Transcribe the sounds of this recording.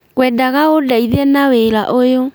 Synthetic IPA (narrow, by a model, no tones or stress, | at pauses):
ɣwɛdaɣaodaiðenaweɾa̰ʔojo